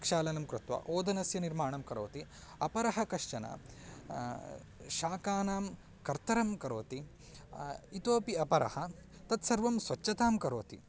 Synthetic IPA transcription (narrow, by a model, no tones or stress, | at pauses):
kʂaːlɐnɐmkɾɪt̪ʋa̰ʔoːd̪ɐnɐsjɐniɾmaːɳɐmkɐɾo̰ːt̪iɐpɐɾɐɦɐkɐʂt͡ʃɐnɐ̰ | ʃaːkaːnaːm | kɐɾt̪ɐɾɐmkɐɾoːt̪i | it̪oːpiɐpɐɾɐ̰hɐ | t̪ɐt̪sɐɾʋɐmsʋɐt͡ʃːɐt̪aːmkɐɾoːt̪i